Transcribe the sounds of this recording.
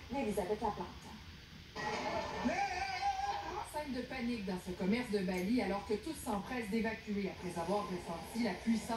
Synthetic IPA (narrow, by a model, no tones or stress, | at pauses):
lelizabɛt̪lapãt̪ | mɛ | ɑ̃sɛ̃ŋd̪əpanik̚d̪ɑ̃səkɔmɛʁsd̪əbalialɔʁkət̪ut̪sɑ̃pχɛsd̪evakʲyeapχɛzavwaʁːəsɑ̃t̪ilapɥisɑ̃